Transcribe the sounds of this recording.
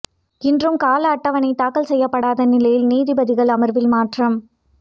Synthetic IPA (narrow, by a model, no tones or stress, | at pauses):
ɪndrɯmkaːlɐːʈːɐʋɐnɐɪt̪aːkːɐlsɛjːɐpːɐɽaːðɐnɪlɐjɪlniːðɪbɐðɪɣɐɭɐmɐɾʋɪlmaːʈrɐm